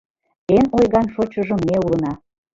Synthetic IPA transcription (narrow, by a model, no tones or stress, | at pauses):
enojɣɑnʃot͡ɕəʒə̆mːeulə̆nɑ